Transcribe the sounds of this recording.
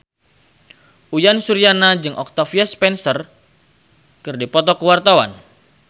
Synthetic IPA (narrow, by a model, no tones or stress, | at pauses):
ʔujansuɾianad͡ʒɨŋʔɔk̚t̪afiaspɛnsər | kɨrdipɔt̪ɔkəwart̪awa̰n